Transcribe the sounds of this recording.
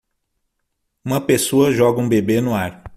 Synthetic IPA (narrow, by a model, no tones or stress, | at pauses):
ũmɐpesoɐʒɔɡɐũbebenʊaɾ